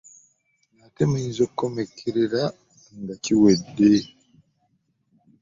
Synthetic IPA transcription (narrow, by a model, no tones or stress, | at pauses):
nateminzokkomekʰeɾeɾa | ŋɡaciwede